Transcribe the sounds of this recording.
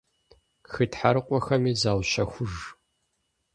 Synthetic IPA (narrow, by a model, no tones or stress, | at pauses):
xɨtħaɾɨqʷʼɔxɐmiːzaːwʃɐxʷʊʒ